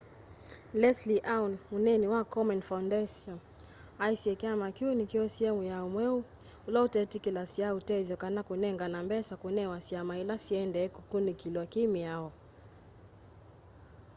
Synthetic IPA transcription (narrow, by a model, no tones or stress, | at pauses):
lɛsliʔawnunɛniwakɔmɛnfaundɛʃɔn | ajsiɛkamakjunikiɔsiɛmujaɔmwɛu | ulɔutɛtikilasiautɛðjɔkanakunɛŋɡanambɛsakunɛwasiamailasiɛndɛːkukunikilwakimiaɔ